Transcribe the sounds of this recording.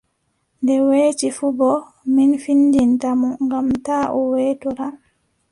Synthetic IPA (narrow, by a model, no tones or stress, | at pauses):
ndɛweːt͡ʃifubɔ | minfinːdintamuŋɡamtaːʔɔweːtuɾa